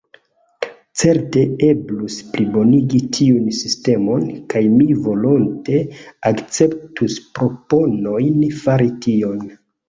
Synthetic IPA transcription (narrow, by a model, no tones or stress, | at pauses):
t͡se̞ɾte̞e̞blusplibo̞niɡitʰiunsiste̞mo̞nkajmivo̞lonte̞akt͡se̞ptuspɾo̞po̞no̞jnfaɾitio̞n